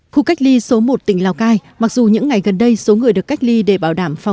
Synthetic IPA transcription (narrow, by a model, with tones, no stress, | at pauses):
xu˧ka˦˥jk̚li˧so˨˦mo˨˩t̚t̪ï˧˩ŋ̟laː˧˩wkaː˧jma˨˩k̚zu˨˩ɲɨ̰˧˥ŋːa˨˩jɣə˨˩nɗə˧jso˨˦ŋɨ˨˩əjɗɨ˨˩əkːa˦˥jk̟̚li˧ɗe˧˩ɓaː˧˩wɗaː˧˩mfa˨˩